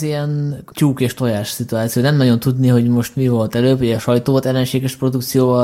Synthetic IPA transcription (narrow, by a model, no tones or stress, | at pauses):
iɛnt͡ʃuːkeːʃt̪o̞jaːʃsit̪uaːt̪sijoːnɛmnɒɟo̞nt̪ud̪niɦo̞ɟmo̞ʃt̪mivo̞lt̪ɛløːboɟɒʃɒjt̪oːt̪ɛlːɛnʃeːɡɛʃpro̞d̪uk̚t̪sijoːvɒ